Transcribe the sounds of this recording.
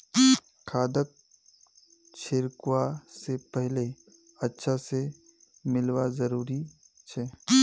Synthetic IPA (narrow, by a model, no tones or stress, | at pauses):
kʰaːd̪ək̚ | t͡ʃʰɪɾkwasepɛɦle | ɐtːʃʰase | mɪlwazɐɾuːɾi | t͡ʃʰɛː